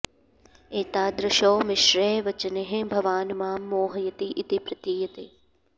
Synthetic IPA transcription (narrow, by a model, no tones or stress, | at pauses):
eːt̪aːd̪ɾɐʃoːmɪʃɾeːʋɐt͡ʃɐneɦẽbʱɐʋaːnmaːmːoːɦɐjɐt̪iʔɪt̪ipɾɐt̪iːjɐt̪eː